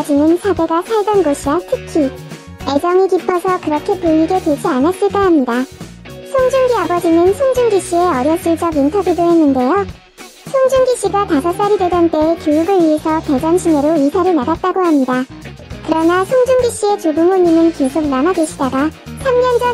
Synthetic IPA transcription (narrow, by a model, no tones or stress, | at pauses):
d͡ʑinɯnsʰade̞ɡasʰaɭdʌnɡoɕʰiwatʰɯkʰi | e̞d͡ʑʌŋikipʰʌsʰʌkɯɾʌkʰe̞puɲiɡe̞twed͡ʑianas͈ɯɭk͈oɦamɲida | sʰoŋd͡ʑuŋɡiabʌd͡ʑinɯnsʰoŋd͡ʑumɡiɕ͈ie̞ʌɾjʌs͈ɯɭt͡ɕ͈ʌɡintʰʌbjudoɦe̞nːɯnde̞jo | sʰoŋd͡ʑumɡiɕ͈iɡatasʰʌs͈aɾidwe̞dant͈e̞ːkjojuɡɯɭɥiesʰʌte̞d͡ʑanɕʰine̞ɾoisʰaɾɯnaɡat̚t͈aɡohamɲida | kɯɾʌnasʰoŋd͡ʑumɡiɕ͈ie̞t͡ɕobuŋoɲinɯnke̞sʰok̚namaɡeɕʰidaɡasʰamɲʌnd͡ʑʌ